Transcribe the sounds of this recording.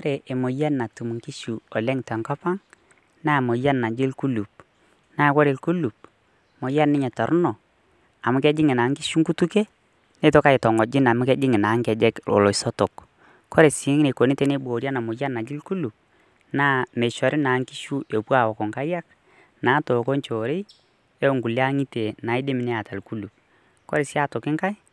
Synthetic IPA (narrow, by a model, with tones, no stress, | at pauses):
kɔ˦ɾe˨ʔe˨mo˨ja˦na˨tu˨mu˨ŋki˦ʃu˨ɔ˨lɛ˦ŋtɛ˨ŋka˦pa˦ŋ | naː˦˨mo˨ja˦nːa˨d͡ʒɪ˦lku˦lu˨p̚ | naː˦kɔ˦ɾe˨lku˦lu˨p̚ | mo˨ja˦nɪ˦ɲɛ˨tɔ˨ɾʊ˦nɔ˨ | a˨mʊ˦kɛ˦d͡ʒɪ˦ŋɪ˨na˨˦ŋki˦ʃu˦ŋku˦tu˦ke˦ | ne˦tɔ˦ka˦ɪ˨tɔ˨ŋɔ˨d͡ʒɪ˦na˨mʊ˦kɛ˦d͡ʒɪ˦ŋɪ˨na˨˦ŋkɛ˨d͡ʒɛ˦ko̰˨lɔ˨sɔ˦to˨k | kɔ˦ɾe˨sɪ˨ŋ˦ŋ˦ne˨ko˨ni˦te˦ne˦bo˨ɾja˦na˨mʊ˨ja˦na˨d͡ʒɪ˦lku˦lu˨p̚ | naː˦me˨ʃɔ˨ɾʔɪ˦na˨˦ŋki˦ʃu˦e˨pwa˨wɔ˨kɔ˨ŋka˦ja˦k̚ | naː˨˦toː˨ko˦nt͡ʃo˨ɾe˦ | e˦˨ŋɡu˨la˦ŋi˦te˨naː˨˦ɪ˦dɪ˦mɪ˨nɛ˦a˨ta˨lku˦lu˨p̚ | kɔ˦ɾe˨sɪ˦a˦tʊ˨kɪ˦ŋka˦j